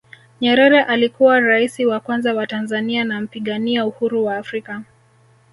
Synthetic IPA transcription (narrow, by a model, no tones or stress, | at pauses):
ɲɛɾɛɾɛʔalikuwaɾaisiwakwanzawatanzanianam̩piɠaniauhuɾuwaːfɾika